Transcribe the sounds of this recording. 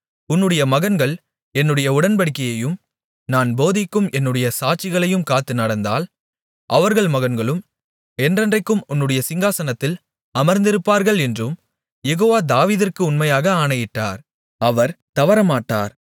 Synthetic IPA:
ʊnːɯɽɐjɐmɐɣɐnɡɐɭ | ɛnːɯɽɐjɐʊɽɐnpɐɽɪkːɐjɐjɯm | naːnboːðɪkːɯmʔɛnːɯɽɐjɐsaːt͡ʃːɪɣɐɭɐjɯmkaːt̪ːɯnɐɽɐnd̪a̰ːl | ʔɐʋɐɾɣɐɭmɐɣɐnɡɐɭɯm | ɛndrɐndrɐɪkːɯmʊnːɯɽɐjɐsɪŋɡaːsɐnɐt̪ːɪl | ɐmɐɾnd̪ɪɾɯpːaːɾɣɐɭɛndrɯm | jɛɣoːʋaːd̪aːʋiːðɪrkɯʊnmɐjaːɣɐaːɳɐjɪʈːa̰ːɾ | ɐʋɐɾt̪ɐʋɐɾɐmaːʈːa̰ːɾ

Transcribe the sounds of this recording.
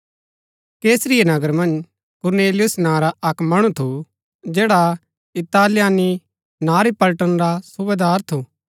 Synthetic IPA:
keːsɾɪjenɐɡəɾmɐ̃nd͡ʒ | kʊɾneːlɪjʊsnãːɾaɐkmɐɽ̃ut̪ʰu | d͡ʒɛːɽa | ɪt̪aːlɪjaːni | nãːɾipɐlʈənɾasʊbeːd̪aːɾt̪ʰu

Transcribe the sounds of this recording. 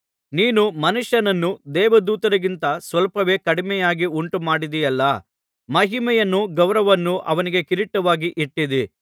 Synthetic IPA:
niːnumɐnuʂjɐnɐnːud̪ɛːʋɐd̪uːt̪ɐɾɐɡint̪ɐsʋɐlpɐʋeːkɐɽimɛjaːɡiuɳʈumaːɽid̪ijɐlːɐ | mɐɦimɛjɐnːuɡɐwɾɐʋɐnːuʔɐ̰ʋɐniɡe̞kiɾiʈːɐʋaːɡiʔiʈːid̪i

